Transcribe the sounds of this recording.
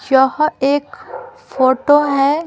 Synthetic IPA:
jəɦeːkfoːʈoɦɛ

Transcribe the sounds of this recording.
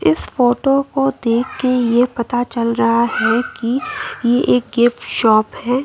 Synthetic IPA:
ɪsfoːʈokod̪eːkʰːejepɐt̪at͡ʃɐlɾɐɦahɛkijeʔeːk̚ɡɪfʈʃɔːphɛː

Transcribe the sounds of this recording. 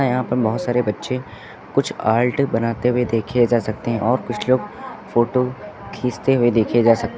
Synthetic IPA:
ajɐɦãpɐɾbɐɦʊt̪saːɾebɐtːʃẽ | kʊt͡ʃʰaːlʈbɐnaːt̪eɦʊed̪eːkʰed͡ʒaːsɐk̚t̪eɦɛ̃ʔɔːɾkʊt͡ʃʰloːɡfoːʈokʰiːst̪eɦʊed̪eːkʰed͡ʒaːsɐk̚t̪e

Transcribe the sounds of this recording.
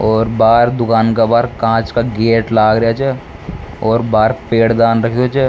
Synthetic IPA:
ɔːɾbaːɾd̪ʊkaːnkabaːɾkãːt͡ʃkaɡeːʈlaːɡɾɐjat͡ʃʰɛ | ɔːɾbaːɾpeːɽd̪aːnɾɐk̪ʰːot͡ʃʰɛː

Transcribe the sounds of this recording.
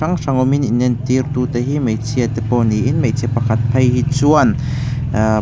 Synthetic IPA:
aŋʂaŋɔmininɛnt̪irt̪ut̪ɛɦimejt͡sʰiat̪ɛpɔniʔinmejt͡sʰiɐpɐkʰat̪̚pʰɐjhit͡suɐn

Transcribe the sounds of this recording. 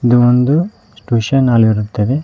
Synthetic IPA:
id̪uond̪u | sʈuːʃɐnaːliɾut̪ːɐd̪e

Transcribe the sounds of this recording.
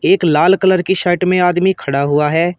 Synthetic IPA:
eːklaːlkələɾkiʃaːɪʈmẽaːd̪mikʰəɽaɦʊaɦɛː

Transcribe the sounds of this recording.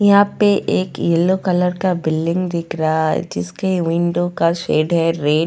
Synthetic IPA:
jɐɦãːpeʔeːkjelːokɐləɾkabɪlːɪ̃ŋɡd̪ɪkʰɾaɦad͡ʒɪskeʋɪ̃ɳɖokaʃeːɖɦɛɾeː

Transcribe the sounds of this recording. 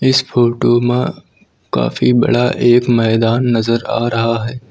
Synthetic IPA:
ɪsfoːʈomẽ | ka̰ːfibɐ̰ɽaʔeːkmɛːd̪aːnːɐzəɾa̰ːɾɐɦaɦɛː

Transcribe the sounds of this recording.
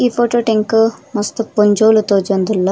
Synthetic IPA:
iːpʰoːʈoːʈeŋkumɐst̪upoɲd͡ʒoːlut̪oːd͡ʒond̪ulːɐ

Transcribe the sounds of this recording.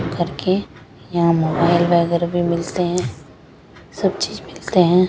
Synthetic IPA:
kɐɾke | jɐɦãmoːbaːɪlʋɛːɡəɾbʱimɪlt̪eɦɛ̃ | sɐb̚t͡ʃiːzmɪlt̪eɦɛ̃ː

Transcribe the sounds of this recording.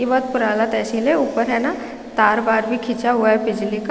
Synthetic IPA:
iʋɔt̪̚pʊɾaːlat̪ɛːsileuːpəɾɦɛna | t̪aːɾbaːɾbʱikʰit͡ʃaɦuaɦɛbɪd͡ʒlik

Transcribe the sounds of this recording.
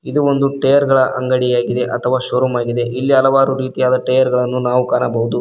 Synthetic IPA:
id̪uo̞nd̪uʈejɐɾɡɐɭɐʔɐŋɡɐɽijaːɡid̪e̞ʔɐt̪ʰɐʋaːʃɐɾumaːɡid̪e̞ʔilːiɐlɐʋaːɾuɾiːt̪ijaːd̪ɐʈɐjɐɾɡɐɭɐnːunaːʋukaːnɐbɐɦud̪u

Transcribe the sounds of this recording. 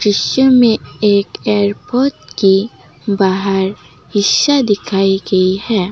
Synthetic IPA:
ɾɪʃjəmẽeːkeːɾpoːɾʈki | baːɦəɾ | hɪʃːad̪ɪkʰaːiɡɐihɛː

